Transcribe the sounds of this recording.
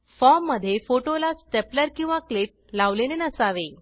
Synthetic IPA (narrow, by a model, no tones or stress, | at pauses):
fɔmːəd̪ʱːjefoʈolasʈepləɾkĩw̃ʋaklip̚laʋlenenəsaʋe